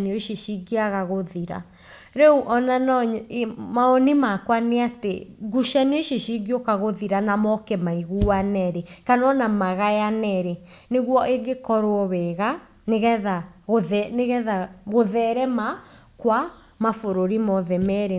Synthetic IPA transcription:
nioʃiʃiɡiaɣaɣoðiɾa̰ | ɾɛuʔɔnanɔɲmaɔnimakwaneatḛɡuʃanioʃiʃiɡiokaɣoðiɾanamɔkɛmaiɣuanɛɾekanɔnamaɣajanɛɾe | neɣwɔʔeɡekɔɾwɔβɛɣa | neɣɛðaɣoðɛneɣɛðaɣoðɛɾɛma | kwa | mafoɾoɾimɔðɛmɛɾe

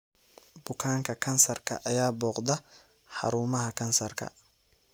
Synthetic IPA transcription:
bʊkʰaːŋkʰɐkʰɐnsɐrkʰɐ̰ʔɐjaːbɔːqd̪ɐ | ħɑ̰ɾuːmɐɦɐkʰɐnsɐrkʰɐ̰

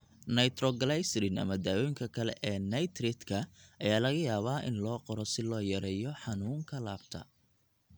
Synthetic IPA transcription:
nɐjt̪ɾɔɡɐlajsɾɪnɐ̰mɐd̪aːwɔjŋkʰɐkʰɐlɛ̰ʔɛːnɐjt̪rɪt̪kʰɐʔɐjaːlɐɣɐjaːβaːʔɪnlɔːqɔɾɔsɪlɔːjɐɾɛːjɔħɑnuːŋkʰɐlaːbt̪ʰɐ̰

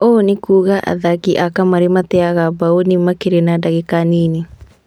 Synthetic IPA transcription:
onikuːɣaʔa̰ðakiʔakamaɾemat̪ɛaɣabaonimakeɾenadaɣekanini

